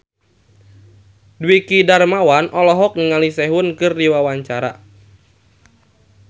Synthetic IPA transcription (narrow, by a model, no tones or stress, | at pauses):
dwikidarmawanʔɔlɔɦɔk̚niŋalisɛɦʊnkɨrdiwawaɲt͡ʃaɾa̰